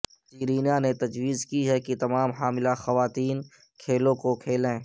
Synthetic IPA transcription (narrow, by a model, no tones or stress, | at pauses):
d͡ʒiːɾiːnanet̪ɐd͡ʒwiːzkiɦɛkit̪ɐmaːmɦaːmɪlaxɐʋaːt̪iːn | kʰeːlõkokʰeːlẽː